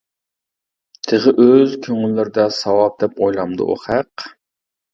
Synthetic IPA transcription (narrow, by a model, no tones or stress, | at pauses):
t̪ʰɨʁəʔøzkʲʰøŋylːɪɾɪd̪ɛsɑwɑp̚d̪ɛpojlˠɑmd̪ṵṵχæq